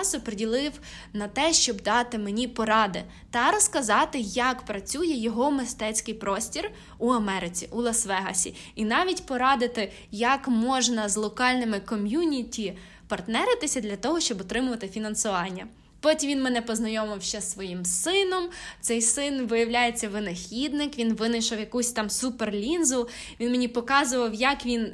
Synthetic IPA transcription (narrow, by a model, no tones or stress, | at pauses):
sʊpɾedʲilˠɪw | nɐt̪ɛʃt͡ʃɔbd̪ɑt̪ɪmenʲipɔɾɑd̪ɪ | t̪ɐɾɔskɐzɑt̪ɪjɐkpɾɐt͡sʲujɛjɔɦɔmɪst̪ɛt͡sʲkɪjpɾɔsʲtʲir | uɐmɛɾɪt͡sʲḭʔulˠɐsʋɛɦɐ̰sʲḭ | inɑʋʲitʲpɔɾɑd̪ɪt̪ɪ | jɐkmɔʒnɐzlˠɔkɑlʲnɪmɪkɔmʲjunʲitʲi | pɐrt̪nɛɾɪt̪ɪsʲɐd̪lʲɐt̪ɔɦɔʃt͡ʃɔbɔt̪ɾɪmʊʋɐt̪ɪfʲinɐnsʊʋɑnʲːɐ | pɔtʲimʋʲinmenɛpɔznɐjɔmɪwʃt͡ʃɛsːʋɔjimsɪnɔmt̪sɛjsɪnʋɪjɐwlʲajet͡sʲːɐʋɪnɐxʲid̪nɪkʋʲinʋɪnɪʃɐwjɐkusʲt̪ɑmsuperlʲinzʊ | ʋʲinmenʲipɔkɑzʊʋɐwjɐkʋʲin